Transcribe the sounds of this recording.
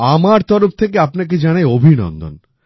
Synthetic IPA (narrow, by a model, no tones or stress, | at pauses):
amaɾt̪ɔɾoft̪ʰekeapnak̬ed͡ʑanajobʱinɔ̰nd̪o̰n